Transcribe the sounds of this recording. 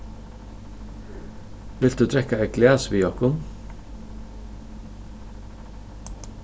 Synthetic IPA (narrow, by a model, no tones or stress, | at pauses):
ʋɪlt̪d̪ʉːt̪ʰɾɛkaɛɡlæːsʋijɔkʊn